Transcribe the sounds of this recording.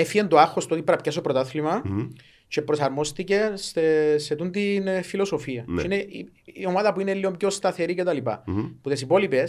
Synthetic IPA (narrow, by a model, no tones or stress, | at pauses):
efiend̪oɐxːo̞st̪oo̞t̪ipɾɐpcɐs̬opɾot̪ɐθlimɐ | t͡ʃe̞pɾo̞sɐɾmo̞st̪ice̞seset̪unt̪infilo̞so̞fiɐeeineiio̞maðɐpuine̞lːiomjo̞st̪ɐθe̞ɾicet̪ɐlipɐ̰puðesipo̞lipe̞s